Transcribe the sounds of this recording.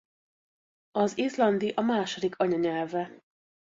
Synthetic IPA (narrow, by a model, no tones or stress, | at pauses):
ɒzizlɒnd̪iʔɒmaːʃod̪ikʰɒɲɒɲɛlvɛ